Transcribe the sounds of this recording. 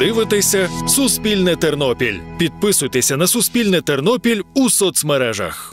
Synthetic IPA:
ɪʋɪt̪ɪsʲɐsʊspʲilʲnɪt̪ernɔpʲilʲpʲid̪̚pɪsʊjt̪esʲɐnɐsʊspʲilʲnɪt̪ernɔpʲilʲusɔt̪smɛɾɛʒɐ̰x

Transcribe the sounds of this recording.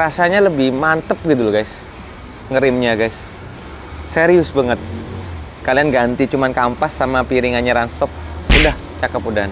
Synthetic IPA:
rasaɲaləbɪhmant̪əp̚ɡit̪uloɡaɪs | ŋəɾɪmɲaɡaɪs | seɾiʊsbəŋət̪̚ | kalianɡant̪it͡ʃumankampasːamapiɾiŋanɲaɾanst̪ɔp̚udah | t͡ʃakəpudaan

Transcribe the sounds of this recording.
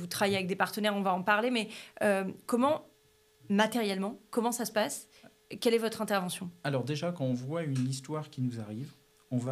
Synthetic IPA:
vut̪χavajeavɛk̚d̪epaʁt̪ənɛʁɔ̃vaɑ̃paʁlemɛøkɔmɑ̃ | mat̪ɛʁjɛlmɑ̃kɔmɑ̃sasə̥pas | kʲɛlɛvɔt̪χɛ̃t̪ɛʁvɑ̃sjɔ̃alɔʁd̪eʒakɑ̃ɔ̃vwaynist̪waʁkʲinuzaʁiv | ɔ̃va

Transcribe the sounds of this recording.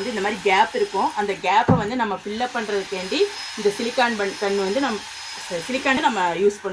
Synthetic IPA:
nd̪ɯɪnd̪ɐmaːðɾiɡaːpɪɾɯkːʊ̃ɐnd̪ɐɡaːpːɛʋɐnd̪ɯnɐmːɐfɪlːɐpːɐɳːɾɐðɯkːeːɳɖi | ɪnd̪ɐsɪlɪkːaːɳpɐɳːkɐɳːɯʋɐnd̪ɯnɐmːɐ | sɪlɪkːaːɳnɐmːɐjuːspɐɳː

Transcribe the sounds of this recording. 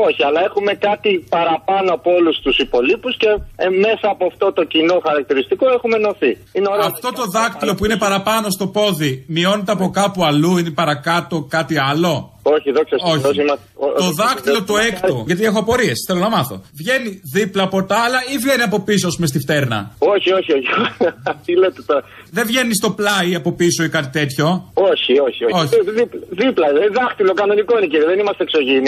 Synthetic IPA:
o̞çiɐlɐe̞xume̞kɐt̪ipɐɾɐpɐnoɐpoolust̪usipo̞lipusce̞me̞sɐːpoɐft̪o̞t̪o̞cino̞xɐɾɐk̚t̪iɾist̪ikoe̞xume̞no̞θiineoɾɐft̪o̞t̪o̞ðɐkt̪ilo̞puine̞pɐɾɐpɐno̞st̪o̞po̞ðimio̞ne̞t̪eɐpo̞kɐpuɐluine̞pɐɾɐkɐt̪o̞kɐt̪iɐlo̞ | oçiðokssoçosimɐseot̪oðɐxt̪ilo̞t̪oekt̪oʝɐt̪iexoɐpo̞ɾie̞sθe̞lo̞nɐmɐθo̞̰vʝe̞niðiplɐpo̞t̪ɐːlɐivʝe̞niɐpo̞pisoɐs̬pumest̪ift̪e̞ɾnɐ̰o̞çioçioçioɐt̪ilet̪et̪o | ðevʝe̞nist̪o̞plɐiɐpo̞pisoikɐt̪it̪e̞t̪ço̞oçioçiooçðiplðiplɐðɐxt̪ilokɐno̞niko̞ineciɾiðenimɐst̪ekso̞ʝini

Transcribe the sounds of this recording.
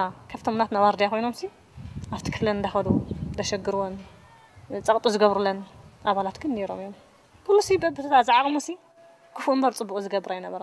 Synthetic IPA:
akʰɐft̪ʰomnat̪nawaɾd̪ijakʰo̞jno̞msi | ʔaft̪ʰi̥kʰɨflɐnɨnd̪axɐd̪ud̪ɐʃɐɡɨɾwon | t͡sʼɐkʼt̪ʼuzɨɡɐβɾulːɐnʔaβalat̪ɡɨnːeɾo̞̰mɨjom | pʰulusibɐbːɨt̪ʰɐt̪ʰazaʕaɣʼmusi | kʰɨfɨmbɐɾt͡sʼɨbːukʼuzɨɡɐβɨɾajnɐβɐɾa

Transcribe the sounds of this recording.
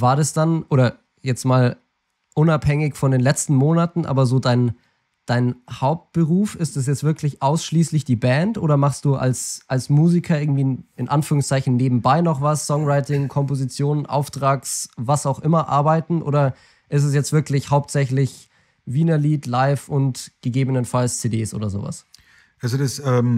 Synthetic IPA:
vaːɐdasd̥anʔoːɾɐ | jɛt͡stmaːl | ʔʊnaphɛŋɪçfɔndeːnlɛt͡stn̩moːnatn̩ʔa̰ːbɐzoːdaɪn | d̥aɪnhaʊp̚t̚b̥əʁuːfɪstd̥as̬jɛt͡stv̥ɪɐklɪçʔaʊsʃliːslɪçd̥iːbɛntʔo̰ːɾɐmaχst̚d̥uːʔa̰lsʔalsmuːzikʰɐɪɐɡŋ̩tv̥iːɪnʔanfyːʁʊŋst͡saɪçn̩neːbm̩baɪnɔχvasːɔŋʁaɪtɪŋkʰɔmpozit͡sjoːnənʔa̰ʊftʁ̥aːksvasaʊxʔɪmɐʔa̰ɐbaɪtn̩ʔo̰ːɾɐ | ʔɪstɛs̬jɛt͡stv̥ɪɐklɪçhaʊp̚tz̥ɛçlɪç | viːnɐliːtlaɪfʊntɡ̥əɡeːbənənfalst͡sedeːsʔo̰ːdɐzo̰ːva̰s | ʔalzodasɛm

